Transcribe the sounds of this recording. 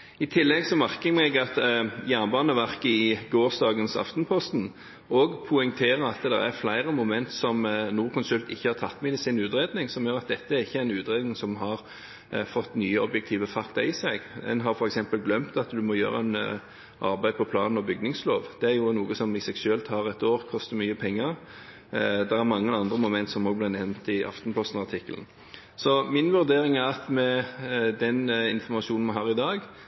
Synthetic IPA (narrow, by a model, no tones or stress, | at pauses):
ɪt̪ʰɪlːɛɡsɔmæɾkəmɛɡɑt̪jæːʁnbɑːnəʋæʁkəɪɡoːɾsd̪ɑːɡənsɑ̰ft̪npʰɔst̪n | ɔɡpʰʊɪŋt̪ʰeːɾəɑt̪d̪ɛ̰ɾæ̰ɾflæɪɾəmʊmɛnt̪sɔmnuːʁɾkʰʊnsʉlt̪ɪçːəhɑɾt̪ʰɑt̪ːmɛɪd̪ɪsɪnʉːt̪ɾeːd̪nɪŋsɔmjøːɾɑt̪̚d̪ɛt̪ːəæɾɪçːəæɪnʉːt̪ɾeːd̪nɪŋsɔmɦɑɾ | fɔt̪ːnyːəɔbjɛk̚t̪ʰiːʋəfɑkt̪ɑɾɪsɛɡ̪ɛ̰nɦɑɾfɔɾɛksɛmpəlɡlœmt̪ɑt̪d̪ʉmɔjø̰ːɾə̰ɛn | ʔɑ̰ɾbæɪ̥pʰɔpʰlɑ̰ːnn̩ɔbʏɡ̚nɪŋslo̰ːʋd̪̥ɛæɾjʊnuːɡəsɔmɪsɛɡʃøːlt̪hɑːɾɛt̪oːʁkʰɔst̪əɾmyːəpʰɛŋːəɾ | d̪ɛɾæɾmɑŋːəɑnd̪ɾəmʊmɛnt̪sɔmoːɡ̚blɪnɛʋnt̪ɪʔɑ̰ft̪npʰɔst̪nɑʁt̪ʰɪkːəln̩ | sɔmɪnʋʉʁd̪eːɾɪŋæɾɑt̪mɛd̪ɛnɪnfɔmɑʃuːnn̩mɑɦɑːɾɪd̪ɑːɡ